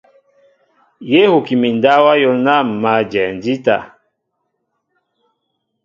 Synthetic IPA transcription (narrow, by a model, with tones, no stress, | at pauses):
je˦hu˨ki˨mi˨nda˦wa˦jɔ˦na˦˨m̩˨ma˨d͡ʒɛ˨nd͡ʒi˦ta̰˨